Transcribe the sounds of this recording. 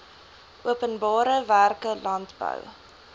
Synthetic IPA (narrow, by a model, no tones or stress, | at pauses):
ʔuəpənbɑːɾəværkəlɐntbə̰w